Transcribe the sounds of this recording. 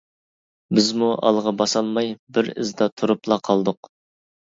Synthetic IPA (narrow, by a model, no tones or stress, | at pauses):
bɪzmuʔɑ̰lˠʁɑbɑsɑlˠmɑjbɪɾɪ̰zd̪ɑt̪ʰuɾuplˠɑqʰɑlˠd̪ʊq